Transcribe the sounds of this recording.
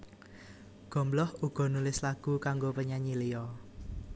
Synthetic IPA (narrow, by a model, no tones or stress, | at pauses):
ɡ̥ɔ̤mblɔhuɡ̥ɔ̤nulɪslaɡ̥ukaŋɡopəɲaɲilijɔ